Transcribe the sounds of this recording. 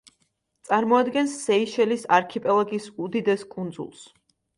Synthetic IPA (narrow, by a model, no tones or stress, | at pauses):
t̪sʼaɾmɔad̪ɡɛnsːɛiʃɛlisaɾkʰipʼɛlˠaɡisud̪id̪ɛskʼund̪zṵlˠs